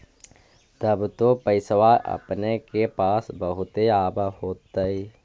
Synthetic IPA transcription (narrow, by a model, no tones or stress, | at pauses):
t̪əbt̪opəɪsʋaʔɐ̰pnekepaːsbəɦʊt̪eaːbahoːt̪aiː